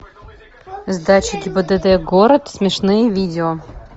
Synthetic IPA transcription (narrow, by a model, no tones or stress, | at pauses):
zd̪at͡ɕɪɡʲɪbəd̪ɛd̪ɛɡoɾət̪smʲɪʂnɨjəvʲidʲɪo